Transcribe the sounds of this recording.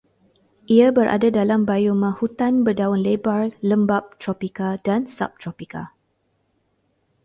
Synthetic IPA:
ʔiabəɾʔa̰dadalambajumãhut̪anbərdawʊnlebarləmbap̚t̪ɾopikadansa̰p̚t̪ɾopika̰

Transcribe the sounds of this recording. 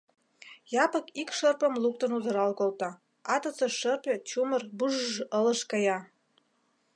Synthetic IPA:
jɑpɤ̆kikʃə̆rpə̆mluk̚t̪ə̆nuzɤ̆ɾɑlkolt̪ɑ | ɑt̪ɤ̆t͡sĕʃə̆rpʲet͡ɕumə̆rbuʒʒə̆lə̆ʃkɑjɑ

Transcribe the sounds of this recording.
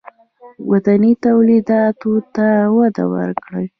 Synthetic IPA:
wat̪anit̪awlid̪ɑt̪ot̪awad̪a̰wə̰ɾkɽəj

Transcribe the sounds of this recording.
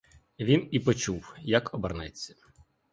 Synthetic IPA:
ʋʲinipɔt͡ʃuwjɐkɔbɐrnɛt͡sʲːɐ̥

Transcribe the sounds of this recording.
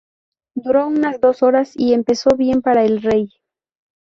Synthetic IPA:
d̪uɾo̞unazd̪o̞so̞ɾasie̞mpe̞so̞βje̞mpaɾaelre̞j

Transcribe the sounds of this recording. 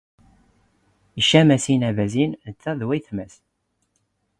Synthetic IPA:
iʃæmæsinævæzint͡sːæðwæjθmæs

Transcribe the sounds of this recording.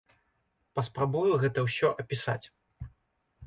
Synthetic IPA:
pɐspɾabujuɣɛt̪ɐwsʲɔʔɐpʲisa̰t͡sʲ

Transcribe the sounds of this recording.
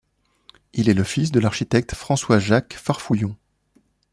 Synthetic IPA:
ilɛləfisd̪əlaʁʃit̪ɛk̚t̪fχɑ̃swaʒakfaʁfujɔ̃

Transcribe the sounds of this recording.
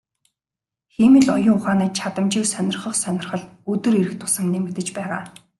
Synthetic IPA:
xiːmɘ̆ɮɔjʊːŋʊχaːniːt͡ɕʰat̪ə̆mt͡ɕĭːksœnʲɪ̆rχə̆χsœnʲɪ̆rχə̆ɮɵt̪ɘ̆ɾiɾɘ̆kt̪ʰʊ̥sə̆mniːmet̪ɘ̆t͡ɕpæːʁa̰ː

